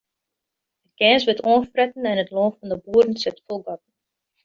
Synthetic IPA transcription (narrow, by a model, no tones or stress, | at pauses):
ət̚ɡɛːnsʋətoəfprɛtən̩ɛnətloffɔndəbuəɾn̩sɪtfɔlˠɡɔt̚ən̩